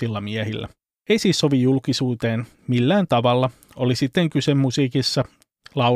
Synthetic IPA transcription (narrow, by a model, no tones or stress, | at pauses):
ilːɑmiæhilːæ̰ | eisiːsːo̞ʋijulkisuːt̪e̞ːn | milːæːnt̪ɑʋɑlːɑ | olisit̪ːeŋkysemːusiːkisːɑ | lɑ